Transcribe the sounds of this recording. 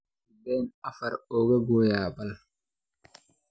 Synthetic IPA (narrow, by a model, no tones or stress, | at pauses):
bɛnɐfɐɾɔːɣɐɡoːjaːbɐl